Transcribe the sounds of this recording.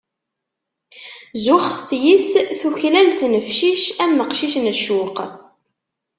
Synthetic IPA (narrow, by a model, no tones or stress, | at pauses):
zʊχθjisθuçlælt̪nəfʃiʃæmːəqʃiʃnəʃʊq